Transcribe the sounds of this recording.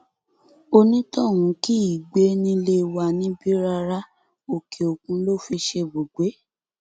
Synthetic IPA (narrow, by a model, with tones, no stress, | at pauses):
o˦nĩ˦tɔ˦˨wũ˨˦ki˦i˨ɡ͡be˨˦nĩ˧le˧wa˧nĩ˨˦bi˦ɾa˧ɾa˦ | o˨ke˨o˨kũ˧lo˦˨fi˧ʃe˧bo˨ɡ͡be˨˦